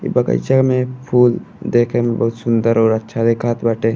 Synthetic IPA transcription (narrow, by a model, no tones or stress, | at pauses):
ḭbəkə̰ɪt͡ʃamẽpʰuːl | d̪eːkʰembɐɦut̪sʊnd̪əɾɔːɾɐtːʃʰad̪ekʰaːt̪baʈẽ